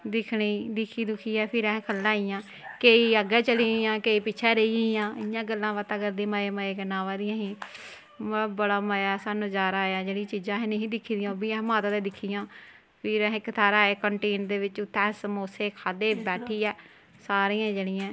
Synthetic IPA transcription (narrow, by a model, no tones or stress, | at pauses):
d̪ɪkʰɳiːd̪ɪkʰiːd̪ʊkʰiːɛːpʰɪɾɛ̃ːɦkʰəlːãːijãː | keːiːəɡɛːt͡ʃəliːjãːkeːiːpɪːt͡ʃʰɛːɾeijãːɪjãːɡəlːãːʋaːt̪ãːkəɾd̪eːməeːməeːkənːãːʋaːd̪ɪjãːɦiː | mbəɽaːməjaːsaːnũːd͡ʒaːɾaːjaːd͡ʒeːɽĩt͡ʃiːd͡ʒãːɦɛ̃ːnẽɦĩːd̪ɪkʰːiːd̪ɪjãbiːɛ̃ːɦmaːt̪ad̪eːd̪ɪkʰːijãː | pʰɪɾɛ̃ːɦɪkːt̪ʰaːɾaːeːkəɳʈeːnd̪eːʋɪt͡ʃːt̪ɛːsmoːseːkʰaːd̪eːbɛːʈʰiːɛː | saːɾĩːãd͡ʒeːɽiːãː